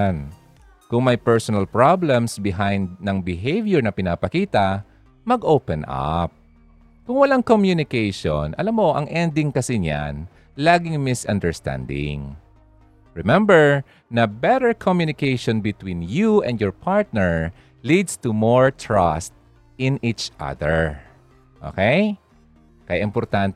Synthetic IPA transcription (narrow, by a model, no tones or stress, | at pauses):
n | kʊŋmɐjpɛɹsɔnɐlpɹablɛ̃msbɪɦajnd̪̚nɐŋbɪɦejvjɛɹnɐpɪnapɐkiːt̪ɐ | mɐɡʔowpɛ̃nʔa̰p̚ | kʊŋwɐlaŋkomjunɪkejʃo̰nʔɐ̰lamːoʔɐ̰ŋʔɛnd̪ɪŋkɐsɪɲa̰n | laːɡɪŋmɪsʔɐ̰nd̪ɛɹst̪ã̰nd̪ɪ̰ŋ | ɹɛmɛmbɛɹ | nɐbɛɾɛɹkʰomjunɪkejʃɔ̃nbɪt̪winjuɛ̃nd̪jɔɹpʰaɹt̪̚nɛɹ | lid̪st̪umoɹt̪ʰɹast̪̚ | ɪ̃nʔit͡ʃʔa̰ðɛɹ | ʔo̰kej | kɐjaʔɪmpɔɾt̪ant̪